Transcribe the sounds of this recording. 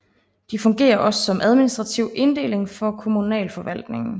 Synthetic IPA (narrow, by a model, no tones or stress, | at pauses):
d̥ifɔ̽ŋɡ̥e̝̰ːɐʔɒ̽sːɒ̽mʔæð̞ˠminisd̥ʁɑ̈t͡sʰiʊʔe̝nd̥e̝̰ːle̝ŋfɒ̽kʰo̝munɛ̰ːlfɒ̽ʋæl̰d̥ne̝ŋn̩